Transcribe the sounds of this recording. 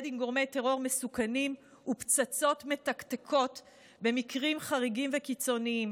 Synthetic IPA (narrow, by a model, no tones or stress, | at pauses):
dimɡo̞ʁme̞jte̞ʁo̞ʁme̞sukanim | upt͡sat͡so̞tme̞takt̪ekʰo̞t | be̞mikʁimχaʁiɡimvekit͡so̞niim